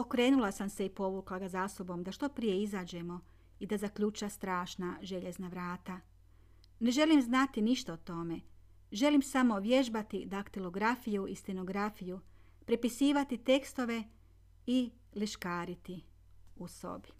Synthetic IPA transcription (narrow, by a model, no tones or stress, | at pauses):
o̞kɾe̞ːnulˠasamse̞ipo̞ʋuːklˠaɡazaso̞bo̞md̪aʃt̪o̞pɾije̞izaːd͡ʑe̞mo̞ | id̪azakʎut͡ʃast̪ɾaːʃnaʒe̞ʎe̞znaʋɾaːt̪a | ne̞ʒe̞limznat̪iniʃt̪aot̪o̞me̞ | ʒe̞limsamo̞ʋje̞ʒbat̪id̪akt̪ilo̞ɡɾafijuʔist̪eno̞ɡɾafiju | pɾipisiːʋat̪it̪e̞kst̪o̞ʋe̞ | i | liʃkaːɾit̪i | uso̞̰bi